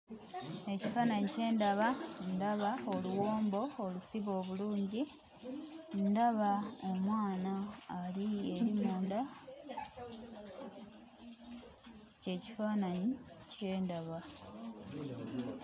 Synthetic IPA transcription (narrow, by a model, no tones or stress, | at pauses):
e̞cifaːnaɲice̞ːndaβandaβao̞luwo̞ːmbo̞olusiβo̞ːβuluːɲɟi | ndaβaomwaːnaːlie̞ɾimoːnda | ce̞ci̥faːnaɲi | ce̞ːndaβa